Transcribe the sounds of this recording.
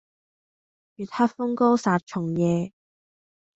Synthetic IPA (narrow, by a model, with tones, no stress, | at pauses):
jyː˨˩t̪̚haː˥fʊ˥ŋkɔː˥saː˨˧t̚t͡ʃʰʊ˨˩ŋjɛː˨˧